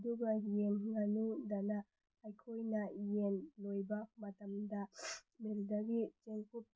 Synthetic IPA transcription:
duɡajenŋanudanaː | jkʰojnajenlojbamatamdameldaɡit͡ʃenkʰup̚

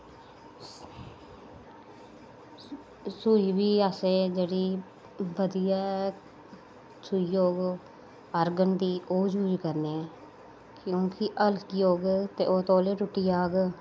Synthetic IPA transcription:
suiːbiːaːseːd͡ʒeːɽiː | bəd̪ijaː | sʊijoːɡ | əɾɡənd̪iːʔoːd͡ʒuːd͡ʒkəɾneɛː | kjõːkɪʔəlkijoːɡt̪ḛːʔoːt̪oːleːɾʊʈːiːaːɡ

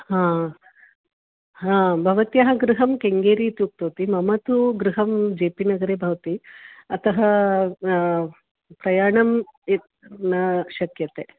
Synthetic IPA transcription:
ɦãː | ɦãːbʱɐʋɐt̪ijɐɦɐɡɾuɦɐmkeŋɡeːɾiːt̪juːk̚t̪oːt̪imɐmɐt̪uɡɾuɦɐmd͡ʒeːpinɐɡɐɾeːbʱɐʋɐt̪iɐt̪ɐɦɐ | pɾɐjaːɳɐm | nɐʃɐkjɐt̪eː

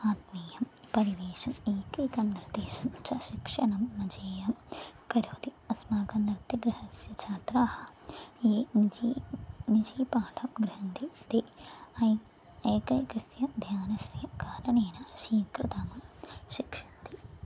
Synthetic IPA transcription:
aːt̪meːjɐmpɐɾiʋeːʃɐmeːkɐjkɐmniɾd̪eːʃɐmt͡ʃɐʃikʂɐnɐmːɐd͡ʒeːjɐmkɐɾoːd̪iɐsmaːɡɐnɾt̪ɐɡɾɪhɐsjɐt͡ʃʰaːt̪ɾaːhɐ̆eː | nid͡ʒiːpaːʈʰɐmɡɾɪɦɐnd̪it̪eɐj | eːkɐjkɐsjɐd̪ʱjaːnɐsjɐkaːɾɐneːnɐɐʃiːŋkɾɐt̪ɐːmɐʃikʂɐ̥nt̪i

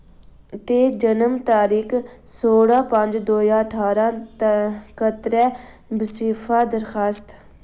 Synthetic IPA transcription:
t̪eːd͡ʒənəmt̪aːɾiːksoːɽãːpə̃ɲd͡ʒd̪oːjãːəʈʰaːɾãːt̪kət̪ɾɛː | bəsiːpʰaːd̪əɾxaːst̪

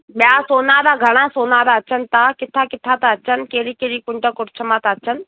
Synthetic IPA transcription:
ɓjaːsoːnad̪aɡʱɐɽ̃ãsoːnad̪aət͡ʃʰənt̪akɪt̪ʰːakɪt̪ʰːat̪aət͡ʃʰənkeːɾiːkeːɾikʊɳʈakʊʈt͡ʃʰəmaːt̪aːt͡ʃʰən

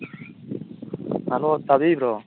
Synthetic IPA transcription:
alot̪abibɾɔ

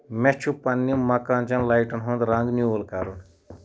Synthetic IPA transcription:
met͡ʃʰupɐnːimɐkãːnt͡ʃɐnlajʈənɦõnd̪ɾãŋɡnjuolkaɾun

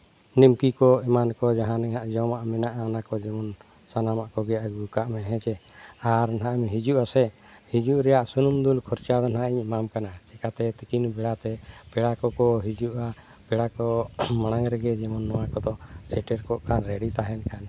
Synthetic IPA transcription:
nimkikɔɛmankɔd͡ʒaɦãnɛŋaʔd͡ʒɔmaʔmɛnaʔaɔnakɔd͡ʒɛmɔn | sanamaʔkɔɡɛjaɡukaʔmɛɦɛ̃t͡ʃɛaɾnaʔmɦid͡ʒuʔasɛ | hid͡ʒuʔɾɛjaʔsunumd̪ulkʰɔɾt͡ʃad̪ɔnaʔiɲmamkanat͡ʃɛkat̪ɛt̪ikinbɛɽat̪ɛpɛɽakɔkɔɦid͡ʒuʔa | pɛɽakɔmaɽ̃aŋɾɛɡɛd͡ʒɛmɔnːɔwakɔd̪ɔsɛʈɛɾkɔʔkanɾɛɖit̪aɦɛnkan

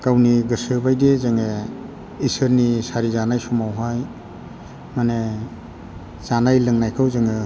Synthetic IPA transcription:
kawniɡɯsɯbajdezaŋe | isɯɾnisaɾizanajsumawɦaj | mane | zanajlɯŋnajkʰɯwzɯŋɯ

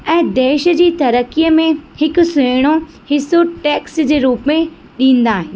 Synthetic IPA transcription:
ɛ̃ːd̪eːʃd͡ʑiːt̪ɐɾəkijəmẽhɪkʊ̆seːɽ̃o | hɪsoʈɛːksd͡ʑeːɾuːpmẽ | ɗĩːnd̪aːɦɪ̃n̆

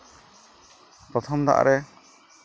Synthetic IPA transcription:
pɾɔt̪ʰɔmd̪a̰ʔa̰ɾʔɛ

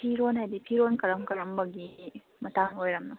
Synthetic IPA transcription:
pʰiɾonhajdipʰiɾonkɐɾɐmkɐɾɐmbɐɡi | mɐtaŋojɾɐmnɐ

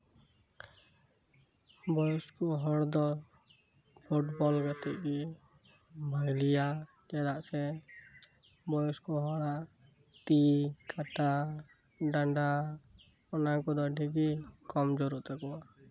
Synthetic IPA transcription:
bɔjɔskɔɦɔɽd̪ɔ | pʰuʈbɔlɡat̪ɛʔ̚ɡi | bʱajlija | d͡ʒɛɽaʔsɛ | bɔjɔskɔɦɔɽaʔ | t̪ikaʈa | ɖaɳɖa | ɔnakɔd̪ɔɖiɡikɔmd͡ʒɔɾuʔt̪ɛkɔwa

